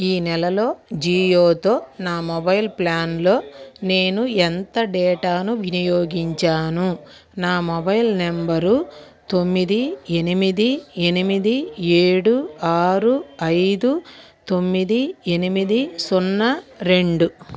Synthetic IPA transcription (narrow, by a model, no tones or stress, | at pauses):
iːnɛlɐlo̞ːd͡ʒiːjoːt̪o̞ːnaːmɔbɐjlplaːnlo̞ːne̞ːnuent̪ɐɖɛːʈaːnuʋinijoːɡiɲt͡ʃaːnu | naːmɔbɐjlnembɐɾu | t̪omːid̪ie̞nimid̪ie̞nimid̪ie̞ːɽuaːɾuɐjd̪u | t̪o̞mːid̪ie̞nimid̪isunːɐɾeɳɖu